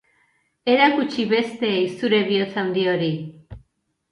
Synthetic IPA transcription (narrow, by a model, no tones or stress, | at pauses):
e̞ɾakut͡ʃiβe̞st̪e̞ːjsuɾe̞βiot͡sawnd̪io̞ɾi